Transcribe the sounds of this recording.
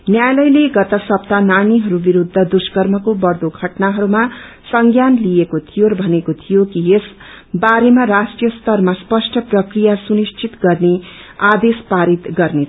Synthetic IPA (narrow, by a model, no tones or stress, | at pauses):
njajlʌjleɡʌt̪ʌsʌpt̪ananiɦʌɾubiɾud̪ʱːʌd̪uskʌrmʌkobʌrd̪oɡʱʌʈnaɦʌɾuma | sʌŋɡjanlijekot̪ʰijoɾʌbʱʌnekot̪ʰijokies | baɾemarasʈijʌst̪ʌrmaspʌsʈʰʌprʌkrijasunist͡ʃʰit̪ɡʌrnead̪espaɾit̪ɡʌrne